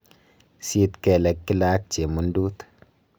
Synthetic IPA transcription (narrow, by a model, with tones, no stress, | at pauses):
si˦t̪ke˨le˨kːi˦laː˦k̚t͡ʃe˨mu˨˦nduː˦t̪